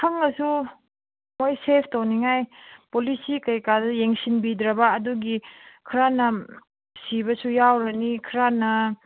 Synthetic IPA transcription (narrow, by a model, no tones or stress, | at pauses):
kʰɐŋɐsu | mojsepʰtowniŋajpolisikɐjkadɐjeŋsinbidɾɐbɐːduɡikʰɾanɐ | sibɐsujawɾɐnikʰɾanɐ